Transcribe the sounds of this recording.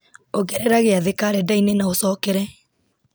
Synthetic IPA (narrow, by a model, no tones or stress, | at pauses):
oɡɛɾɛɾaɣeaðekaɾɛdainenaosɔːkɛɾɛ